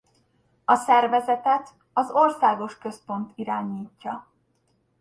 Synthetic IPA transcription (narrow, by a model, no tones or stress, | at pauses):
ɒsɛrvɛzɛt̪ɛt̪ | ɒzo̞rsaːɡo̞ʃkø̞spo̞nt̪iɾaːɲiːcːɒ